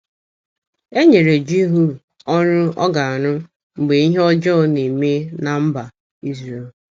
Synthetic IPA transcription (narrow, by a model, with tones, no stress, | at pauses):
e˦ɲe˨ɾe˨d͡ʒi˦ɦu˦ | ɔ˦ɾʊ˦ɔ̰˦ɡa˨a˨ɾʊ˦ | ŋ͡m̩˨ɡ͡be˨i˦ɦe˦ɔ˦d͡ʒɔ˦˨˦ni˨me˦na˨m̩˦ba˨ | i˦zɾe˨l